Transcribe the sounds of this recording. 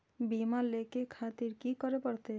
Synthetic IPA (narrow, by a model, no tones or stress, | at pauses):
bimallːekekʰat̪iɾkikɔɾepɔɽt̪e